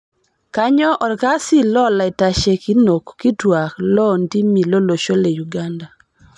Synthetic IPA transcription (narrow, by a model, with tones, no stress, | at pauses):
ka˦ɲɔ˦ʔɔ˨dka˦si˦lɔ˦la˨ɪ˨ta˨ʃe˨ki˦no˨kːi˦twa˨klɔ˦ndi˦mi˨lo˦lo˨ʃo˦le˨ju˨ɡa˦nda˨